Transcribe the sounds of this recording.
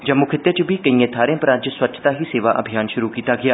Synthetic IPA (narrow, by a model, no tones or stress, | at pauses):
d͡ʒəmːʊkʰɪt̪ːjet͡ʃəbiːkəĩẽːt̪ʰaːɾẽːpəɾad͡ʒswətːt͡ʃʰt̪aːɦiːseːʋaːʔə̰bʱijaːnʃʊɾuːkiːt̪aːɡɪjaː